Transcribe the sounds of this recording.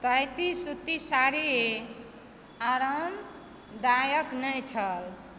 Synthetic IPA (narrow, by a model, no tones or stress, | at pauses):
t̪ajt̪isut̪ːisaɾie | aɾəm | d̪ajəknəjt͡ʃʰəl